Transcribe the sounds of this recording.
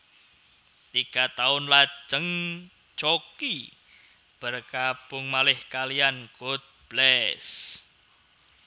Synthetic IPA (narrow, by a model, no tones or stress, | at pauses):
t̪iɡ̥at̪aʊnlḁd͡ʒəŋ | t͡ʃoki | b̥ərkapʊŋmalɪhkalijankot̪̚b̥lɛs